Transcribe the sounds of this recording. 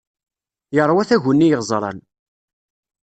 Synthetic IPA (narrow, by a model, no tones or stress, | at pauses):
jəɾˤwæθæʝənːijəʁzˤɾˤɑ̰n